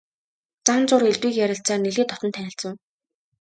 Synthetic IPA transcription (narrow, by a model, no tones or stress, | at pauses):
t͡sant͡sʊɾeɮt̪wiːkjæɾʲɪ̆ɬt͡saːrneɮeːt̪ɔt̪ɞ̆nt̪ʰænʲɪ̆ɬt͡sə̆w